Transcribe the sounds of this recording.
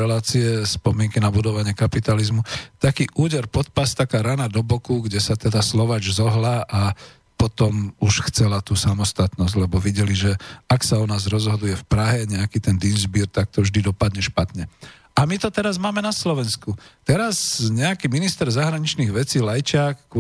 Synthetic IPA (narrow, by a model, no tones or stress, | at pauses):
ɛlaːt͡siɛspɔmɪɛŋkinabud̪ɔʋaɲɪɛkapit̪alizmut̪akiːʔuːɟɛɾpɔt̪̚past̪akaːɾanad̪ɔbɔkuɡɟɛsat̪ɛd̪aslɔʋad͡ʒzɔɦlaʔa | pɔt̪ɔmuʃxt͡sɛlat̪uːsamɔst̪at̪nɔzɟlɛbɔʋiɟɛliʒɛaksaɔnaːzɾɔzɦɔd̪ujɛfpɾaɦɛɲɛakit̪ɛnd̪inzbiːɾt̪ak̚t̪ɔvʒd̪id̪ɔpad̪ɲɛʃpat̪ɲɛ | ʔamit̪ɔt̪ɛɾazmaːmɛnaslɔʋɛnskut̪ɛɾazɲɛakiminist̪ɛɾzaɦɾaɲit͡ʃniɣʋɛt͡siːlajt͡ʃɪakː